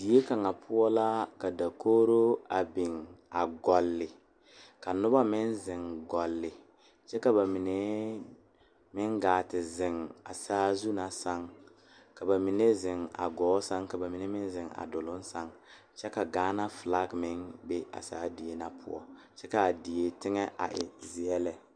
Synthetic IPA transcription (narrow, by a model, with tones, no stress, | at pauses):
di˨je˦ka˨ŋa˨pʰʊ˦ɔ˦la˦ka˨da˨koː˦ɾo˦a˨bɪ˨ŋa˨ɡɔ˨lːɪ˨ | ka˨nʊ˦ba˦mɪ˦nzɪ˨ŋɡɔ˨lːɪ˨ | t͡ʃɛ˦ka˨ba˨mi˨ne˦ | mɪ˦ŋɡaː˨tɪ˨zɪ˨ŋa˨saː˦zu˦na˨sa˦ŋ | ka˨ba˨mi˨ne˦zɪ˨ŋa̰˨ɡɔː˨˦sa˦ŋka˨ba˨mi˨ne˦mɪ˦n˦zɪ˨ŋa̰˨dʊ˨lʊ˦n˦sa˦ŋ | t͡ʃɛ˦ka˨ɡaː˦na˦fla˦kmɪ˦nbe˦a̰˨sa̰ː˦di˨je˦na˨pʰʊ̰˦ɔ̰˨ | t͡ʃɛ˦ka˨di˨je˨tɪ˦ŋɛ˦ʔa̰˨ʔɪ˨zɪ˨ɛ˦lɛ˦